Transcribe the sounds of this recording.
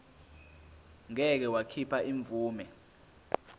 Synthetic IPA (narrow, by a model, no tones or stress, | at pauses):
ŋɛk̬ɛwakʰipʰaʔiɱb̪vuːmɛ